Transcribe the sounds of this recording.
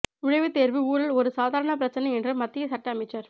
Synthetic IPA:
ʊɻɐjʋɯt̪eːɾʋɯuːɾɐlɔɾɯsaːðʱaːɾɐɳɐp̬ɪɾɐt͡ʃːɐnɐɪɛndrɯmɐt̪ːɪjɐsɐʈːɐɐmɛɪt͡ʃːɐɾ

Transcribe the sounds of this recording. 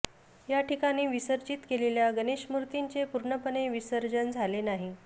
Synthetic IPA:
jaʈʰikañiːʋisəɾd͡ʑit̪keleljaɡəneɕmuɾt̪iɲt͡sepuɾɳəpəneʋisəɾd͡zənd͡zʱalenaɦi

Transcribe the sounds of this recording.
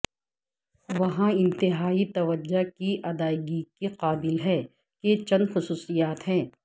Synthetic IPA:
ʋɐɦãɪ̃nt̪ɪɦaːit̪ɐʋəd͡ʒakiʔɐd̪aːɪɡikeqaːbɪlɦɛː | ket͡ʃɐ̃nd̪xʊsuːsijaːt̪ɦɛ̃ː

